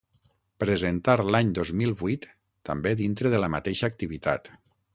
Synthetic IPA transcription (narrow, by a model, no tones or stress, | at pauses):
pɾəzent̪aɾlaɲd̪ozmilˠβujt̪ː | ə̰mbeðint̪ɾəðələmat̪eʃəːk̚t̪iβ̞it̪a̰t̪